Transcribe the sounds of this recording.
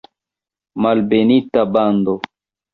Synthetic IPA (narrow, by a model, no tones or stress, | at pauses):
malbenitaband̪o